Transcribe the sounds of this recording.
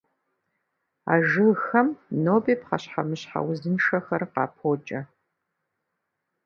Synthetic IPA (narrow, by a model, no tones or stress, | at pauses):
a̰ːʒɨlxɐmnoːbiːpqɑɕħa̰mɨɕħa̰wzɨnʂɐxɐrqɑːpʰoːt͡ʃʼɐ